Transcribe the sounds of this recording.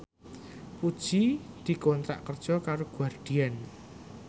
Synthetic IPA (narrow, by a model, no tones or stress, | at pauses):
pud̥ʒ̥id̪̥i̤kɔnt̪ɾa̰ʔkərd̥ʒ̥ɔkaɾoɡ̥uarɖ̥i̤an